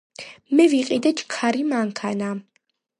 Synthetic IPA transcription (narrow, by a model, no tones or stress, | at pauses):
mɛviqʼid̪ɛt͡ʃkʰaɾimaŋkʰana